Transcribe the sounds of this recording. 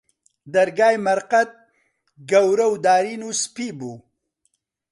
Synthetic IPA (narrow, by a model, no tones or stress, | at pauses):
d̪ɐɾɡaːjmɐɾqat̪̚ | ɡawɾɐwd̪aːɾinuspibu